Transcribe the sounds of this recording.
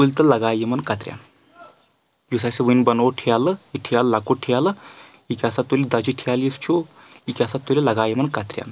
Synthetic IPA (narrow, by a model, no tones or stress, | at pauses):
t̪ulʲt̪əlɐɡajemənkat̪ɾʲja̰n | jus̬aseʋunbənoʈʰejaləiʈʰijallakoʈʰijalə | ikʲiasat̪ːulid̪ad͡ʑiʈʰijalist͡ʃʰo | ikʲasat̪ːulelɐɡajimənkat̪ɾʲja̰n